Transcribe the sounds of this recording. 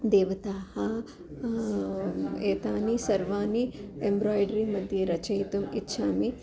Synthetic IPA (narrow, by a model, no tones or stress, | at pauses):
d̪eːʋɐt̪aːhɐ | eːt̪aːnisɐɾʋaːniembɾɔːjɖɾimɐd̪ʱjeɾɐt͡ʃɐit̪umɪtːʃʰaːmi